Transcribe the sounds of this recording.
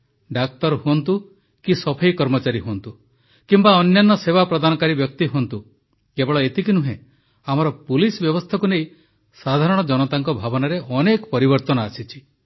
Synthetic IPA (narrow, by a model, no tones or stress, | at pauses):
ɖak̚t̪ɔɾɦuɔnt̪u | kisɔpʰejkɔɾmɔt͡ʃaɾiɦuɔnt̪u | kimbaɔnjanːɔsebapɾɔd̪anɔkaɾibjɔk̚t̪iɦuont̪u | kebɔɭɔet̪ikinuɦẽ | amɔɾɔpulisbjɔbɔst̪ʰakunej | sad̪ʱaɾɔɽ̃ɔd͡ʒɔnɔt̪aŋkɔbʱabɔnaɾeʔɔnekɔ̥pɔɾibɔɾt̪ɔnɔasit͡ʃʰi̥